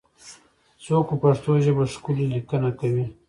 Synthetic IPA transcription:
t͡sokopaʂt̪oʒəbaʂkullikənakawi

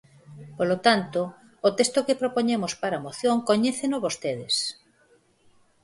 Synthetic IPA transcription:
polot̪ant̪oː | t̪est̪okepɾopoɲemospaɾamoθjoŋkoɲeθenʊβost̪eðɪs

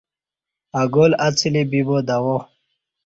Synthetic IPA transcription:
aɡolat͡silibibod̪awo

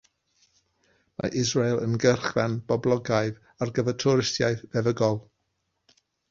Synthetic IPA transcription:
ma̰ʔɪzɹejlˠə̰nɡərχvɛnb̥ɔblˠɔɡajð | arɡəvətʰɔɾɪstjajvɛvəɡɔlˠ

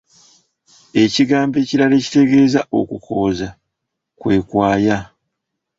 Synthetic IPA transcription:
e̞ciɡaːmbe̞ːciɾale̞ːci̥te̞ɡe̞ːzaʔo̞̰kukʰo̞ːza | kwe̞ːkwaːja

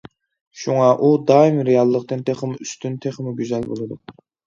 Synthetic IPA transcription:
ʃuŋɑʔud̪ɑimɾejɑlˠːəqt̪ɨnt̪ʰeχəmɨyst̪ynt̪ʰeχmɪɡʲyzɛlbo̰lˠɨd̪u

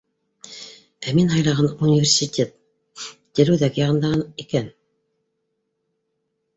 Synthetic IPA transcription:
æminɦɑjlˠɑʁɑnunʲɪvʲerʲsʲitʲʰet̪̚ | t̪ʲĕɾɘwðækjɑʁɤ̆nd̪ɑʁnikæn

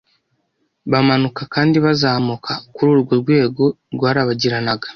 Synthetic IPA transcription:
βamanukakaːndiβazaːmukʰakuɾuːɾɡoɾɡwe̞ːɡo̞ | ɾɡwaːɾaβaɟiɾanaɡa

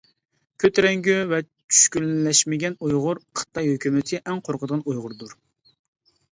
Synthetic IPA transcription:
kʲʰøt̪ɾɛŋɡʲyvɛ | t͡ʃʰy̥ʃkʲylːɛʃmɪɡʲɛnujʁʊɾqʰə̥t̪ːɑjhøkʲymɪt̪ʰɪʔɛŋqʰoɾqʰəd̪əʁɑnujʁʊɾd̪uɾ

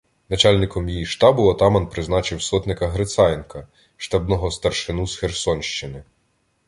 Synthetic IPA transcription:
nɐt͡ʃɑlʲnɪkɔmjijiʃt̪ɑbʊɔt̪ɑmɐnpɾɪznɑt͡ʃɪwsɔt̪nɪkɐɦɾet̪sɑjnkɐ | ʃt̪ɐbnɔɦɔst̪ɐrʃɪnusxersɔnʲʃt͡ʃɪnɪ

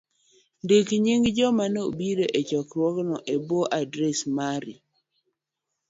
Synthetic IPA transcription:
ndekɲiŋɡd͡ʒɔmanobiɾoʔet͡ʃɔkɾwɔɡnɔʔebɔʔadɾɛsmaɾi

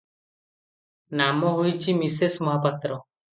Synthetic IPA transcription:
namɔɦujt͡ʃʰimisesmɔɦapat̪ːɾɔ

